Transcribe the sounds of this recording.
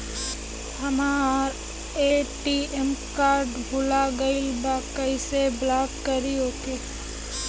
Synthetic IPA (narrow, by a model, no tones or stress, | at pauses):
hɐmaɾ | eːʈiɛmkaːɾɖbʱʊlaɡɐilbakɐiseblaːkːəɾioːkeː